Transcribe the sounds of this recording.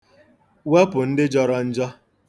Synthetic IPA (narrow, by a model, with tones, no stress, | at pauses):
we˦pʊ˨n̩˦dɪ˦d͡ʒɔ˦ɾɔ˦n̩˦d͡ʒɔ˦